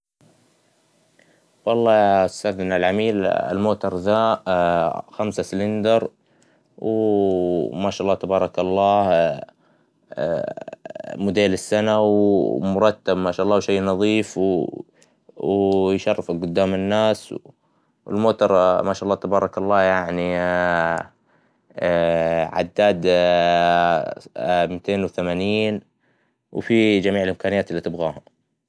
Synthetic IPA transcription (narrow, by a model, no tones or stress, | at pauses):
wɑlˤːɑːʊst̪aːd̪nalʕamiːlɪ̰lmoːt̪ɑɾˤðaːʔxamsasɪlɪnd̪ɑɾˤ | w | maʃaʔɑlːɑːt̪abɑːɾˤɑkɑlˤːɑːh | mʊd̪eːlɪsːanawmʊɾˤɑt̪ːabmaːʃaːʔɑlˤːɑːwʃejːnɑðˤiːfw | jʃɑrˤːɑfɪlɡʊd̪ːaːmɪnːaːsw | wɪ̰lmoːt̪ɑɾˤmaːʃaʔɑlːɑːt̪abɑːɾˤɑkɑlˤːɑːjaʕni | ʕa̰d̪ːaːd̪ | mɪt̪eːnwθamaːniːn | wfid͡ʒamiːʕɪlʔɪmkaːnɪjaːt̪ɪlːiːt̪ɪbɣaːha